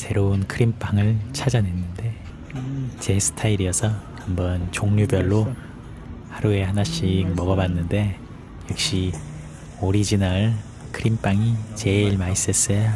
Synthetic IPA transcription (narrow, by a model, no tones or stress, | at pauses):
sʰe̞ɾounkʰɯɾimp͈aŋɯɭt͡ɕʰad͡ʑanenːɯnde̞ | t͡ɕe̞sʰɯ̥tʰaiɾiʌsʰʌhambʌnt͡ɕoŋɲubjʌɭːo | haɾue̞hanaɕ͈ik̚mʌɡʌbanːɯnde̞ | jʌk̚ɕ͈i | oɾid͡ʑinaɭ | kʰɯɾimp͈aŋit͡ɕe̞ɭmais͈ʌs͈ʌjo